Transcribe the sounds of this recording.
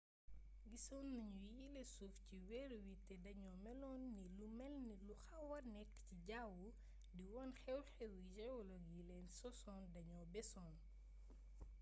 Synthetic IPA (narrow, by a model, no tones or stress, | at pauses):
ɡisɔnːɐɲujilesufciwɛɾwitɛdɐɲɔːmɛlɔːnːilumɛlniluxɐwɐrnɛkːciɟawu | diwɔnxɛwxɛwujɛwlɔɡjilɛnsɔsɔndɐɲɔːbɛsɔːn